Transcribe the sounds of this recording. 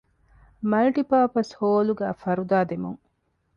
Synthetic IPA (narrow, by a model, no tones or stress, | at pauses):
mɐlʈipaːpɐshoːluɡæ̰ːfɐɾud̪aːd̪emṵŋ